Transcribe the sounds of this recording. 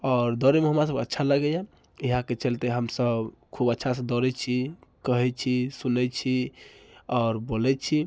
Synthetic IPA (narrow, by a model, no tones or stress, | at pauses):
ɔːɾd̪ɔɾemeɦəmɾas̬əbkətːʃʰaləɡɛja | iɦãket͡ʃəlt̪eɦəmsəbkʰubətːʃʰased̪ɔɾɛt͡ʃʰikəɦɛt͡ʃʰisunɛt͡ʃʰi | ɔːɾbolɛt͡ʃʰi